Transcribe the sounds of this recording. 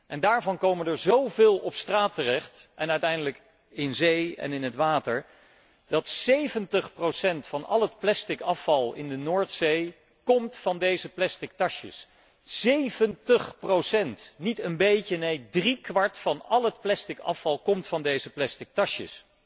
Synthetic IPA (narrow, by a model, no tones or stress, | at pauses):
ʔɛndaːɹvɑnkowmənəɹzowvɪːlˠɔpstraːtərɛχtʔɛnœɥtɛjndələk | ɪnzejɛ̰nɪnɦətʋaːtəɹ | d̥ɑtsejvəntəχprowsɛntfɑnɑ̰lˠətplɛstɪkɑfɑlˠɪ̰ndənoːɹtsej | kɔmtfɑndejzəplɛstɪk̚tɑʃə̰s | sejvəntəχprowsɛntnitənbejcənejdrikʋɑɹtfɑnɑlˠɦətplɛstɪkɑ̰fɑlˠkɔmtfɑndejzəplɛstɪk̚tɑʃjə̰s